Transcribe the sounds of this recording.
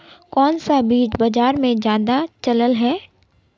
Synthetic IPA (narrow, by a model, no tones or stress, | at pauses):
kɔːnsabiːd͡ʒbɐd͡ʒaːɾmẽd͡ʒjaːd̪at͡ʃɐləlɦɛː